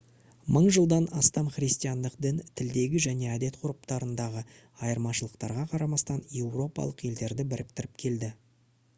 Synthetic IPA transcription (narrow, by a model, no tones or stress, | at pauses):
məɴʒəlˠd̪ɑnɑst̪ɑmχrijst̪ijɑnd̪əqd̪ənt̪ʰɪld̪e̞ɡʲɪʒæne̞æd̪e̞t̪qʰʊɾəpt̪ɑɾənd̪ɑʁə | ɑjəɾmɑʃəlˠəqt̪ɑɾʁɑqʰɑɾɑmɑst̪ɑnje̞wro̞pɑ̰lˠəqje̞ld̪e̞ɾd̪ɪbɪɾɪp̚t̪ɪɾɪp̚kʲʰe̞ld̪ɪ